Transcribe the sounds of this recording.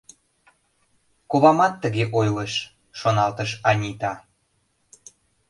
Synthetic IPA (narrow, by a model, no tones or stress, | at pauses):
kuβɑmɑt̪ːəɣeʔojləʃ | ʃonɑlt̪əʃɑnʲit̪ɑ